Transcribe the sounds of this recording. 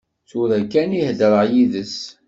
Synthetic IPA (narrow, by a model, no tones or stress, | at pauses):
θuɾækːænihdəɾˤəʁjiðəs